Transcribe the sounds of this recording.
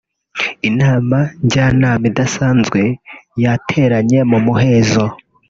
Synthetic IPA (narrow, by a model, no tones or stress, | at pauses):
inaːmaɲɟaːnaːmidasaːnzɡwe̞jatʰe̞ːɾaɲe̞mumuɦe̞ːzo